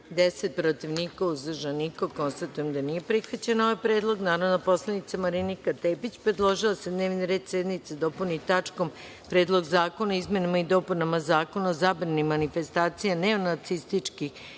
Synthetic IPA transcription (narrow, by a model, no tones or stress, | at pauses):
d̪eset̪̚pɾot̪iʋnikauzrʒanikoko̞nst̪at̪ujemd̪anije̞pɾixʋat͡ɕenoʋajpɾeːd̪lˠo̞ɡnaːɾoʋnopo̞slˠanit̪samaɾinikat̪eːpit͡ɕpɾed̪lˠoʒiosed̪ne̞ːʋniɾed̪sed̪nit̪sed̪o̞punit̪at͡ʂko̞m | pɾe̞ːd̪lˠo̞ɡzaːko̞naizme̞namaid̪o̞punamazaːko̞naozabɾanimanife̞st̪aːt̪sijaneo̞nat̪sist̪it͡ʂki